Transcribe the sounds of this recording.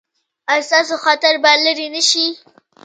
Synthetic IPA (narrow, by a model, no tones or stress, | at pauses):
ast̪ɑs̬oxat̪aɾbaləɾinəʃi